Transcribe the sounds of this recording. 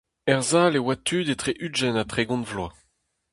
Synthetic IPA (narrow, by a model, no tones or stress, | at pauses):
ɛʁzaːlewat̪ʰyːd̪et̪χeʔyʒɛnat̪χeɡɔ̃nvlwa